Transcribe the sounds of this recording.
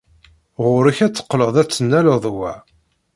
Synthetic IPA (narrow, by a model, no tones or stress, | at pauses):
ʁʊɾiçæt͡sːə̥qːləðˤæt͡sːənːæləðˤwæ